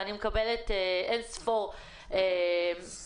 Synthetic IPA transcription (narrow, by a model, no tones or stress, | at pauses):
animekabeleteensfoʁ | em